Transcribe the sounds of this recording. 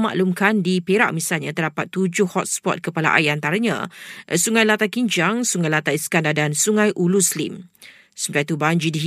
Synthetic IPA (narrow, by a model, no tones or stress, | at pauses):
ma̰ʔlumkandipeɾa̰ʔmisalɲãt̪ərdapat̪ːud͡ʒʊhɔt̪̚spɔ̰t̪̚kəpala̰ʔa̰jant̪aɾaɲã̰suŋãjlat̪akiɲd͡ʒaŋsuŋajlat̪aiskandadansuŋãjʔuluslḭm | səmkat̪ubaɲd͡ʒidiɦ